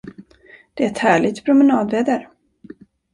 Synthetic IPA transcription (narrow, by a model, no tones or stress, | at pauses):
d̪̥ɛæɾɛt̪hæːɭɪɡt̪pʰɾʊmɛnɑːd̪veːd̪əɾ